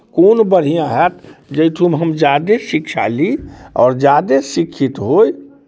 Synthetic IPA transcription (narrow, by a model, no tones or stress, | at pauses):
konbəɽ̤ijãɦɛt̪d͡ʒəɪʈ̪ʰumɦəmd͡ʒaːd̪esikʃʰa̰liɔ̰ːɾd͡ʒaːd̪esikʰit̪ɦoj